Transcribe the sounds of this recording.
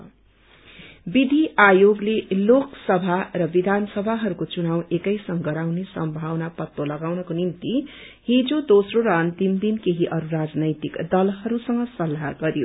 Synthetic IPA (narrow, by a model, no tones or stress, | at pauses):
bid̪ʱiʔajoɡleloksʌbʱarʌbid̪ʱansʌbʱaɦʌɾukot͡sunawekʌjsʌŋɡʌɾawnesʌmbʱawnapʌt̪ːolʌɡawnʌkonimt̪i | ɦid͡zod̪osroɾʌʌnt̪imd̪inkeɦiʔʌɾuɾad͡znʌjt̪ikd̪ʌlɦʌɾusʌŋɡʌsʌlɦaɡʌɾjo